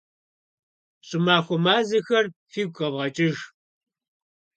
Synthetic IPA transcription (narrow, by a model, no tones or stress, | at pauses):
ɕʼɪmaːxʷɔmaːzɐxɐrfiːɡʷxɐvʁɐt͡ʃʼɪʒ